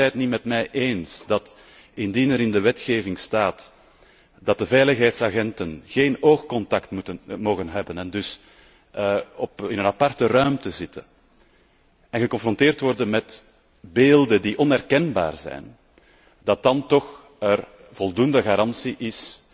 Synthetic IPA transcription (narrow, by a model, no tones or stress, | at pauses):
ɛjtnimɛtmɛjʔeːnsdɑt | ɪndinɛɾɪndəʋɛtxeːvɪŋstaːt | d̥ɑt̚dəvɛjləxɦɛjtsaɣɛntənɣeːnoːxkɔntɑktutəmoːɣənɦɛbənɛndʏs | ɔpɪnənɑpɑrtərœɥmtəzɪtə̰ | ɛnɣəkɔ̃nfrɔnteːrtʋɔrdənmɛt | beːlˠdəndiʔɔnɛrkɛnba̰ːrzɛ̰jn | d̥ɑt̚dɑntɔx | ər | v̥ɔlˠdundəɣaːɾɑnsiʔɪs